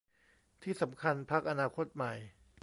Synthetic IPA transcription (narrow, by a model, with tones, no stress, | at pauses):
t̪ʰiː˥˩sa˩˦mkʰa˧npʰa˦˥k̚ʔa˧naː˧kʰo˦˥t̪̚ma˨˩j